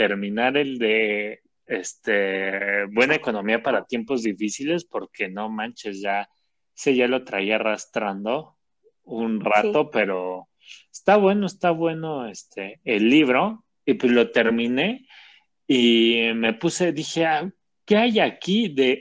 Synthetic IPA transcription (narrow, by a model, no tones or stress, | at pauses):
t̪e̞ɾmĩnaɾe̞ld̪e̞ | est̪eβwe̞naeko̞nõ̞miapaɾat̪je̞mpo̞zðifisile̞spo̞ɾkʰe̞no̞mãnt͡ʃesʝa | eseʝalo̞t̪ɾa̰iarast̪ɾand̪o̞ | unrat̪o̞pe̞ɾo̞ | est̪aβwe̞no̞est̪aβwe̞no̞est̪ʰeːlːiβ̞ɾo̞ | ipezlo̞t̪e̞ɾmĩne̞ | ime̞puse̞ðixe̞a | ke̞ajakiðe̞